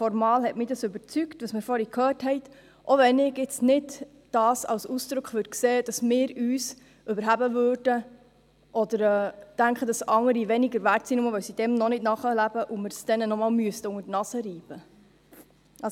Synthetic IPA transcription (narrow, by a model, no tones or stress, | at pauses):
fɔɾmɑːlhɛtmɪdɑsʏbəɾt͡syktʋɑsmɪɾfɔɾikʰhœːrthɛɪt | ʔoʋɛnɪɡjɪt͡snɪd | d̥ɑːsɑ̰lsusd̥ɾʊkχʋøːd̚kseːd̥ɑsmɪːɾyːs | ʔʏbəɾɦæbəvøːrd̥ə | ʔɔd̪əɾɛːtæŋkχədɑsɑŋːəɾiʋɛniɡəɾvætsinuməʋœwsid̥ɛmnɔnɪtnɑχəlæb̥əʔʊmɪɾsd̥ɛnənɔmɑːlmyəstəʊŋətnɑsəɾiːb̥ə | ʔɑ